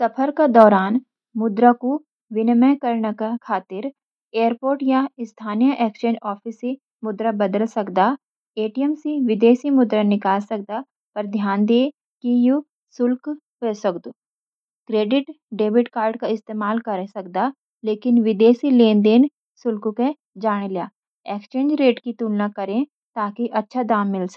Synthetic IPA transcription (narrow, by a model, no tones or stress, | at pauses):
sɐpʰəɾked̪ɔːɾaːn | mʊd̪ɾako | ʋɪnmɛ̃kəɾnakakʰaːt̪ɪɾ | eːəɾpoːɾʈjaɪst̪ʰaːnijəʔɛːkʃənʔɔːpʰiːsi | mʊd̪ɾabɐd̪əlsɐkd̪a | eːʈijəmsiʋɪd̪eːsimʊd̪ɾanɪkaːlsɐk̚d̪a | pɐɾd̪ʱjaːnd̪eː | kiju | sʊlk | ɦeːsɐkd̪oː | kɾeːɖɪʈ | ɖeːbɪʈkaːɾɖkaɪst̪eːmaːlkɐɾsɐk̚d̪aː | leːkɪnʋɪd̪eːsilẽːnd̪eːn | sʊlkõke | d͡ʒaːɽ̃eljaː | eːkst͡ʃẽːnd͡ʒɾeːʈkit̪uːlnakɐɾẽ | t̪aːkiʔɐtːʃʰad̪aːmːɪls